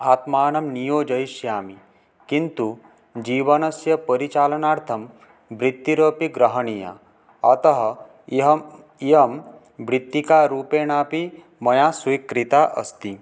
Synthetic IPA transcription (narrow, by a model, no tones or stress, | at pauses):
aːt̪maːnɐmnijoːd͡ʒɐjsjaːmi | kint̪u | d͡ʒiʋɐnɐsjɐpəɾit͡ʃalɐnaɾt̪ʰɐm | bɾit̪ːiɾəpiɡɾəɦəɳija̰ | ɐt̪ɐɦɐ | ɦ | iəm | bɾit̪ːikaɾuːpeːɳapi | mɐjasʋikɾit̪aʔə̰st̪i